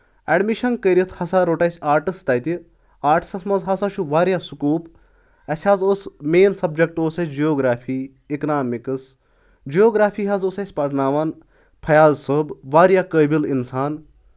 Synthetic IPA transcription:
ɛɖmiʃɐnkəɾit̪ʰhɐsaːɾoːʈɐsʲaːɾʈist̪ɐjt̪i | aːɾʈʰsɐsmɐzɦɐsaʃʰuʋaːɾjasukuːp | ɐsʲhaːzosmeːnsɐb̚d͡ʒɐk̚ʈoːsɐsʲd͡ʒijoːɡɾaːfʰiː | iknaːmikɨs | d͡ʒijoːɡɾaːfʰiːɦazosɐsʲpɐʈnaːʋan | pʰɐjaːzsəbʋaːɾjakəːbilinsaːn

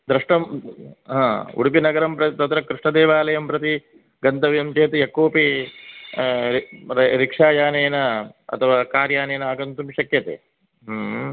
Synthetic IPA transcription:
d̪ɾɪʂʈɐmɦãːṵɽipinɐɡɐɾɐmpɾɐt̪it̪ɐt̪ɾɐkɾiʂɳɐd̪eːʋaːlɐjɐmpɾɐt̪i | ɡɐnt̪ɐʋjɐmt͡ʃeːt̪ijɐkːoːpi | ɾikʂaːjaːnejnɐɐ̰t̪ʰɐʋaːkaːɾjaːnejnɐaːɡɐnt̪umʃɐkjɐt̪ḛː | ɦ

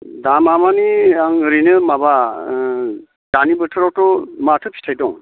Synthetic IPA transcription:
damamaniaŋɯɾinɯmaba | d̥anibɯtʰɯɾɔtɔmatʰɯpʰi̥tʰajdɔŋ

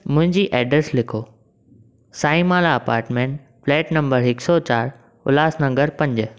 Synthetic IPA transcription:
mʊ̃ɦɪ̃ɲd͡ʑiːʔɛːɖɾəɾslɪkʰoː | saːĩmaːlaɐpa̰ːɾʈmẽːɳʈ | flɛːʈnɐ̃mbəɾɦɪksɔt͡ɕaːɾ | ʊlaːsnɐ̃ŋɡəɾpɐ̃ɲd͡ʑ̆

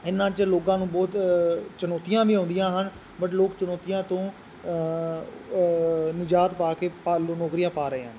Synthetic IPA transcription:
ɪnːãːt͡ʃloːkãːnũːbɔːt̪t͡ʃənɔːt̪ijãːʋĩːɦõːnd̪ɪjãːɦən | bəʈloːkt͡ʃənɔːt̪ɪjãːt̪õː | nɪd͡ʒaːt̪paːkeːpːlːnɔːkɾijãːpaːɾəḛːɦən

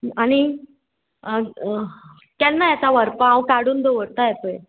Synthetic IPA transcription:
aɽ̃i | kɛnːajat͡saʋəɾpaãwkaɽuːnd̪əʋəɽt̪ajɛt̪oe

